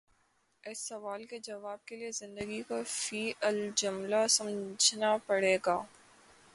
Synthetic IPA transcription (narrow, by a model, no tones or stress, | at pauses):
ɪsːɐʋaːlked͡ʒɐʋaːb̚keliezɪ̃nd̪əɡikofiːʔəld͡ʒʊmlasɐ̃md͡ʒʱnapɐɽeːɡaː